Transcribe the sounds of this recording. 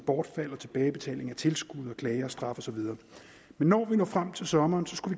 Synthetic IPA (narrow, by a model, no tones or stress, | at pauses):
b̥ɒːd̥fæl̰ɐt͡sʰe̝b̥ɛːɪb̥e̝t͡sʰɛ̰ːle̝ŋæt͡sʰe̝lsɡ̥uð̰ˠɒ̽kʰlɛːɪɐsd̥ʁɑ̈fɒ̽sɒ̽ʋið̞ˠɐː | menːɒːʋinɔ̰ːfʁam̰t͡sʰe̝lsɒ̽mɐːnsɒ̽sɡ̥uʋi